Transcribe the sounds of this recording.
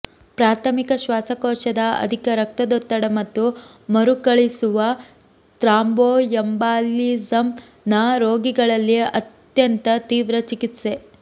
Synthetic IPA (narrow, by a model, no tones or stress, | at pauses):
pɾaːt̪ʰɐmikɐʃʋaːsɐkɔːʃɐd̪ɐɐ̰d̪ʱikɐɾɐk̚t̪ɐd̪ot̪ːɐɽɐmɐt̪ːu | mɐɾukɐɭisuʋɐ | t̪ɾaːmboːjɐmbaːliːzɐm | naɾoːɡiɡɐɭɐlːiɐt̪ | jɐnt̪ɐt̪iːʋɾɐt͡ʃikit̪se